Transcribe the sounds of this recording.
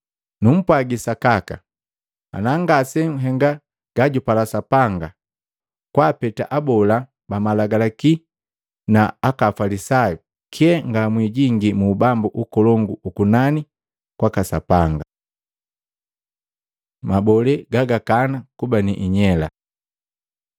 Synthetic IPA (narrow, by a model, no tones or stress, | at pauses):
num̩pwaɡisakaka̰ | a̰naŋɡasɛɦɛŋɡa | ɡ̥aɟupalasapaŋɡa | kwaːpɛta̰ʔabɔla | bamalaɡalaki | naakafalisaju | kʰiɛŋɡamwiɟiŋɡimuːbambuʔukɔlɔŋɡuukunani | kwakasa̰paŋɡa | mabɔlɛɡaɡakanakubaniʔiɲɛla̰